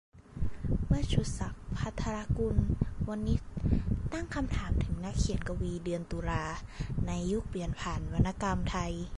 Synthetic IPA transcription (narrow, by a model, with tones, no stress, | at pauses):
mɯ˥˩ɐt͡ɕʰu˧˩t̪̚sa˨˩˦k̚pʰa˦˥t̪ʰːa˧ɾa˧˥ku˧nwa˧nːi˦˥t̪̚ːa˥˩ŋkʰa˧mt̪ʰaː˩˦mt̪ʰɯ˩˦ŋna˦˥kʰːi˨˩˦ə˦nka˧wiː˧dɯ˧ənt̪uː˧laː˧na˧jːu˦˥k̚pi˨˩ənpʰaː˨˩nwa˧nːa˧˥ka˧mt̪ʰa˧j